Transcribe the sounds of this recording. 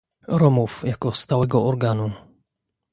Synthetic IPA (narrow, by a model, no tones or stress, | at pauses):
ɾɔmufjakɔst̪awɛɡɔʔɔɾɡanu